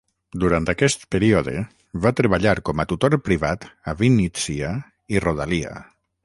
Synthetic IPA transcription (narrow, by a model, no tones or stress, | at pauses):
d̪uɾant̪akɛst̪peɾiɔðḛ | βat̪ɾeβaʎaɾkɔmat̪ut̪oɾpɾiβat̪aβinːit͡sia | iroðalia̰